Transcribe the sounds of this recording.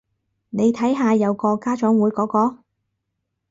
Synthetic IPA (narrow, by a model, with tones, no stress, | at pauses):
ne˨˧jt̪ʰɐ˨˥jɦaː˨˧jɐ˨˧wkɔː˧kaː˥t͡ʃɔː˨˥ŋwuː˨˧˥jkɔː˨˧˥kɔː˧